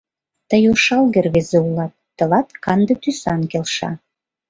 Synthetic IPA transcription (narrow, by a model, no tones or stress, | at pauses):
t̪əjoʃɑlɣerβezeulɑt̪̚ːə̆lɑt̪kɑnd̪ɤt̪ysɑnkelʃɑ̰